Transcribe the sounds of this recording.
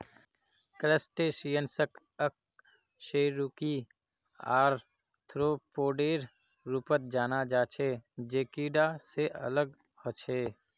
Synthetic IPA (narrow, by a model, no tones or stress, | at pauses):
kɾəsʈeʃijənsək | ək̚ | ʃeːɾuki | aːɾ | t̪ʰɾoːpoːɖeːɾ | ɾupət̪̚d͡ʒaːnad͡ʒaːt͡ʃʰeːd͡ʒeːkiːɖaseʔə̰ləɡ | hot͡ʃʰeː